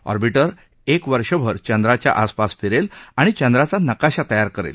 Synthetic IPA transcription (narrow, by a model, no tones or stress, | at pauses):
ɔ̰ɾbiʈəɾ | ekʋəɾʂəbʱəɾt͡ɕə̃nd̪ɾat͡ɕja̰ʔaspasfeɾelaɽ̃it͡ɕənd̪ɾat͡sanəkaɕat̪əjaɾkəɾḛl